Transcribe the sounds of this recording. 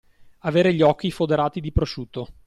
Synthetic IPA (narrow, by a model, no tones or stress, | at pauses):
aveːɾeʎiɔkːifod̪eɾaːt̪id̪ipɾoʃut̪ːo